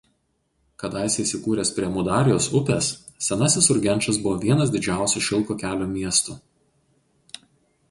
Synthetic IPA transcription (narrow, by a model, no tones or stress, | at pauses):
kɐd̪ɑɪsʲɛɪsʲɪkuːɾʲeːspʲɾʲiɛmʊd̪ɑːɾʲɪjoːsʊpʲes | sʲɛnɑːsʲɪsʊɾʲɡʲɛnʲt͡ʃɐs̬bʊʋoːʋʲiɛnɐs̬ʲd̪ʲɪd͡ʒʲæˑʊsʲuʃʲɪlˠkoːkʲæːlʲoːmʲiɛst̪u